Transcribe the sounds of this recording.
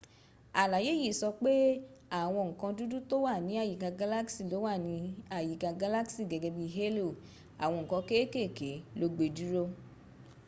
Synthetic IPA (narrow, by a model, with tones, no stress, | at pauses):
a˨la˨je˦ji˦˨sɔ˧k͡pe˦a˦˨w̃ɔ̃˧ŋ̩˨kã˧du˦du˦to˦wa˦˨nĩ˨˦a˦˨ji˨ɡa˧ɡa˦la˦ksi˦˨lo˨˦wa˦˨nĩ˨˦a˦˨ji˨ɡa˧ɡa˧˦la˦ksi˦˨ɡɛ˧ɡɛ˧bi˧ɦe˦lo˦˨ | a̰˨w̃ɔ̃˧ŋ̩˨kã˧ke˦e˦ke˦˨ke˨˦lo˧ɡ͡be˧du˦ɾo˦